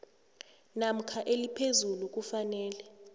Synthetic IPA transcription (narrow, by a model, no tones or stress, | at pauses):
nam̩kʰaʔelipʰezuluk̬ufanɛːlɛ